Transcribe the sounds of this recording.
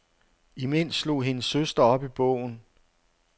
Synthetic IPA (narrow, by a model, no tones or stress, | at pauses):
imen̰slo̝̰ːɦe̝nəsːøsd̥ɐɒ̽b̥ib̥ɔ̰̽ʊ̰n̩